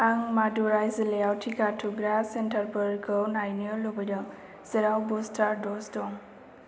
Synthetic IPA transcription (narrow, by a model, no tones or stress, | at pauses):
aŋmadɔɾajzileawtʰikatʰuɡɾasentʰaɾbɯɾɡɔwnajniɔlɔbɔjdɔŋ | z̥ɛɾawbɔstʰaɾdɔsdɔŋ